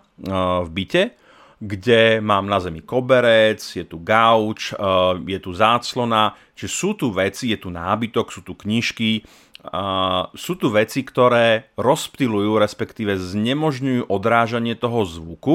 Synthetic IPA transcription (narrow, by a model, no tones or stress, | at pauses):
vbicɛ | ɡɟɛmaːmnazɛmikɔbɛɾɛt͡sjɛt̪uɡaʊt͡ʃjɛt̪uzaːt͡slɔna | t͡ʃiʒɛsuːt̪uʋɛt͡sijɛt̪unaːbit̪ɔksuːt̪ukɲiʃki | suːt̪uʋɛt͡sikt̪ɔɾɛːɾɔspt̪ilujuːɾɛspɛkt̪iːʋɛzɲɛmɔʒɲujuːʔɔd̪ɾaːʒaɲɪɛt̪ɔɦɔzʋuku